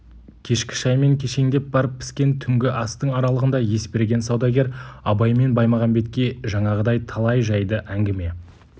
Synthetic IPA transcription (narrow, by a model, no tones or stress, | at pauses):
kʲʰe̞ʃkʲɪ̥ʃɑjme̞ŋkʲʰe̞ʃe̞ŋd̪e̞p̚bɑɾəp̚ʰːɪ̥skʲe̞nt̪ʰʏŋɡʲɪʔɑst̪əɴɑɾɑlˠəʁənd̪ɑje̞spe̞ɾɡʲe̞nsɑwd̪ɑɡʲe̞ɾɑbɑjme̞nbɑjmɑʁɑnbe̞t̪̚kʲe̞ʒɑɴɑʁəd̪ɑjt̪ʰɑlˠɑjʒɑjd̪əʔæŋɡʲɪme̞